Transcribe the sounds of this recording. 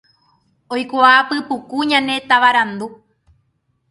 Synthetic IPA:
ojkoapɨpukuɲãne̞t̪aʋaɾand̪u

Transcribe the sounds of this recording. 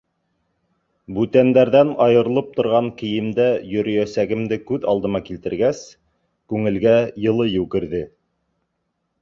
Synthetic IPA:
bʉt̪ænd̪æɾðænɑjɤ̆ɾɤ̆lˠɤp̚t̪ŏɾʁɑŋkɘ̆jɘ̆md̪æjɵ̆ɾɵ̆jæsæɡɘ̆md̪ɘkʉðɑ̰lˠd̪ɤ̆mɑkilt̪ɘ̆ɾɡæs | kʉŋɘ̆lɡæjɤ̆lˠɤjʉkɘ̆ɾðɘ

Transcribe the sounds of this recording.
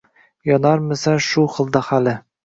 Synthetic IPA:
jɒnɑɾmɪsaʃʊχɨ̆lˠd̪aχalɪ

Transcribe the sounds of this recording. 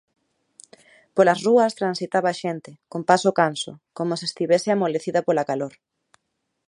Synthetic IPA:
polɐzruɐst̪ɾansit̪aβaːʃent̪ɪkompasokansʊ̰komʊsest̪iβɛsɪamoleθiðɐpolakaloɾ

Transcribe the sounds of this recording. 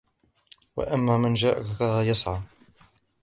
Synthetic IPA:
wa̰ʔamːaːmanʒaːʔakaaajɑsˤʕɑ

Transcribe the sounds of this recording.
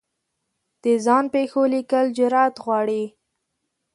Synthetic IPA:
d̪̥əzɑnpexolikəld͡ʒɪɾɑt̪ɣwɑɽi

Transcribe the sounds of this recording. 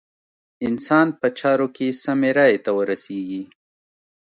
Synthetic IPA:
ɪnsɑːnpət͡ʃʰɑːɾokesɐmeɾaːjet̪awəɾɐseːɡi

